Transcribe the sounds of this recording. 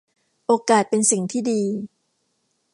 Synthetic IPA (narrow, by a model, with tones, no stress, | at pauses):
ʔoː˧kaː˨˩t̪̚pe˧nsi˨˩ŋt̪ʰiː˥˩diː˧